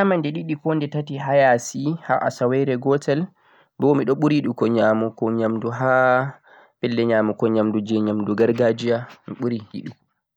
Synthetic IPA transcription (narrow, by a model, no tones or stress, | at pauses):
amandɛɗiɗikɔndɛtatiɦajasihaʔa̰sawɛɾɛɡɔtɛl | bɔmiɗɔɓuɾiɗukɔɲaːmukɔɲamduɦa | pɛlːɛɲaːmukɔɲamdud͡ʒɛɲamduɡaɾɡad͡ʒijamiɓuɾihḭɗu